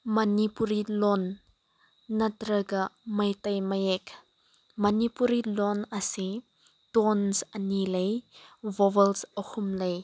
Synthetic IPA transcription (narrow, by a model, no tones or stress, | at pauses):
mɐnipuɾilɔnː | atɾəɡamɐjt̪ɐjmɐjɛk | mɐnipuɾilɔnasi | t̪ɔnsənilejvɔvəlsəhʊmlej